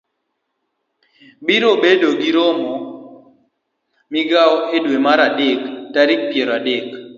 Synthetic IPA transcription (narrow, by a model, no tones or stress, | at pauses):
biɾobedoɡiɾomɔ | miɡaɔedwemaɾadektaɾik̚pjeɾɔadek